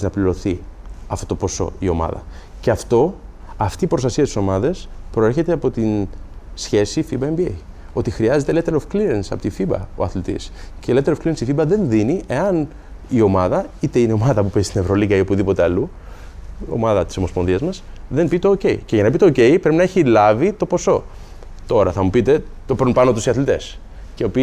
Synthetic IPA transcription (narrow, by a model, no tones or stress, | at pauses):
nɐpliɾo̞θiɐft̪ot̪o̞po̞so̞̰io̞̰mɐ̰ðɐ̰ | ce̞ɐft̪o̞ɐft̪iːpɾo̞st̪ɐsiɐst̪i̥so̞mɐðespɾo̞eɾçe̞t̪eɐpo̞t̪insçe̞sifibɐembiḛ | o̞t̪ixɾiɐze̞t̪elet̪eɾofkliɾensɐpo̞t̪ifibɐ̰o̞̰ɐθlit̪ḭscelet̪eɾofkliɾensifibɐðe̞nðiniʔe̞ɐn | io̞mɐðɐit̪e̞ineo̞mɐðɐpupe̞zist̪ine̞vɾo̞liɣɐio̞puðipo̞t̪e̞ɐlu | o̞̰mɐðɐt̪i̥so̞mospo̞nðiɐzmɐs | ðe̞mbit̪o̞ːce̞ḭceʝɐnɐpit̪o̞ːce̞ipɾepinɐeçilɐvit̪o̞po̞so̞ | t̪o̞ɾɐθɐmupit̪e̞t̪o̞pɾunpɐnot̪usiɐθlit̪e̞s | ceopi